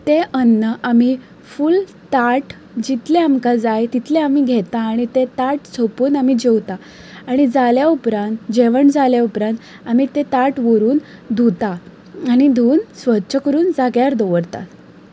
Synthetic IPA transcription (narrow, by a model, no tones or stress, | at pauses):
t̪eʔənːəʔami | ful | t̪aʈ | d͡ʑit̪ʰleamkad͡zajt̪it̪ʰleam̤iɡʱet̪ãːɽ̃it̪et̪aʈt͡sʰopuːnam̤id͡ʑewt̪a | aɽ̃id͡zaljaupɾãnt̪d͡ʑeʋəɳd͡zaljaupɾãnt̪ | am̤it̪et̪aʈʋəɾuːnd̪ʱut̪aː | ɽ̃id̪ʱuːnsʋətːɕʰəkəɾuːnd͡zaɡjaɾd̪oʋəɾt̪a̰t̪